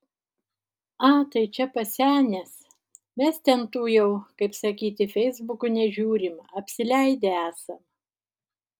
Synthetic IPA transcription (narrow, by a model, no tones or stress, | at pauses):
ɑt̪ɐɪt͡ʃʲɛpɐsʲæːnʲɛs | mʲɛst̪ʲɛnt̪uːjɛʊkɐɪpsɐkʲiːt̪ʲɪfʲɛɪzbʊkʊnʲɛʒʲuːɾʲɪmɐpʲsʲɪlʲæɪd̪ʲeæːsɐm